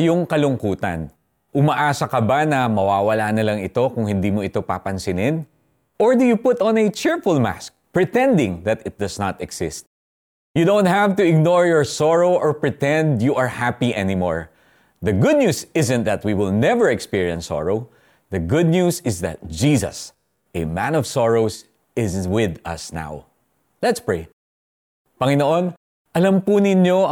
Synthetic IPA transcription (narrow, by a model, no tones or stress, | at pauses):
jʊŋkɐlʊŋkuːt̪ɐ̰n | ʔʊmɐʔaːsɐkɐbanɐmɐwaːwɐlaːnɐlɐŋɪt̪o̞kʊŋhɪnd̪iːmoɪt̪o̞pa̰pɐnsɪnɪn | ʔɔɹd̪ʊjupʊt̪ɔ̃nɛt͡ʃɪɹfʊlma̰sk̚pɹɪt̪ɛ̃nd̪ɪ̃ŋðɐt̪ɪt̪̚d̪ɐsnat̪ɛksɪst̪ | jud̪õw̃nt̪̚havt̪ʊɪɡ̚nɔɹjɔɹsɔɹoʊʔɔɹpɹɪt̪ɛ̃nd̪juʔɐɹhapiʔɛnimɔ̰ɹ | ðɐɡʊd̪̚nuːsɪzɛ̃n̚ðɐt̪̚wiwɪlˠnɛvəɹɛkspiɹiɛ̃nsɔ̰ɹoʊ | ðɐɡʊd̪̚nusɪzðɐ̰t̪̚d͡ʒisɐ̰s | ʔɛmæ̃nɔv̥sɔɹoʊs | ɪzwɪðʌ̰sna̰w | lɛt̪spɹeɪ | pɐŋɪnoʔõn | ʔɐlampʊnɪɲjo